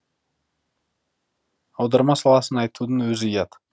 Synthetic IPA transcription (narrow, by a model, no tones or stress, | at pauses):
ɑwd̪ɑɾmɑsɑlˠɑsənɑjt̪ud̪ənwɵzɪəjɑd̪ə